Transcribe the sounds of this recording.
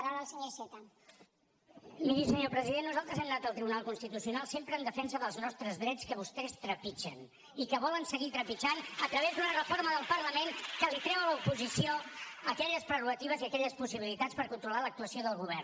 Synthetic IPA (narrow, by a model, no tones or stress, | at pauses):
ɾaəlˠsəɲoset̪a | miɾisəɲopɾəziðenːuzalˠt̪ɾəzɛmnat̪əlˠt̪ɾiβunalˠkunst̪it̪usiunalˠsempɾəːnd̪əfɛnsəðəlˠznɔst̪ɾəzðɾɛt͡skəβ̞ust̪ɛst̪ɾəpit͡ʃən | ikəβɔlənsəɣit̪ɾəpit͡ʃanət̪ɾəβ̞ezd̪unərəfoɾməðəlˠpəɾləmeŋkəlik̪ɾɛwələupuzisioəkɛʎəspɾəruɣət̪iβ̞əziəkɛʎəspusiβ̞ilit̪at͡spəɾkunt̪ɾulalək̚t̪uəsioðəlˠɣuβɛr